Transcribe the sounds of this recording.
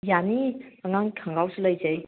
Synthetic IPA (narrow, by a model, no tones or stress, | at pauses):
janiaŋaŋkʰaŋɡawsuləjzej